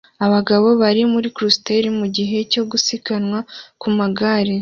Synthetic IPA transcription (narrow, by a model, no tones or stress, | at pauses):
aβaɡaβo̞βaɾimuɾikɾuste̞ɾimuɟiɦe̞co̞ɡusikanŋwakumaɡaːɾe